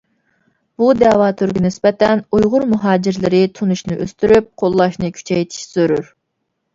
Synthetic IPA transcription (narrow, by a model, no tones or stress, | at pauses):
b̥ud̪ɛːwɑːt̪ʰøɾɡʲinɪspɛt̪ɛnujʁʊɾmuɦɑːd͡ʒɪɾlɪɾɪt̪ʰunuʃnɨʔø̰st̪yɾyp̚qʰolˠːɑʃnɨkʲʰy̥t͡ʃʰɛjt̪ʰi̥ʃsøɾyɾ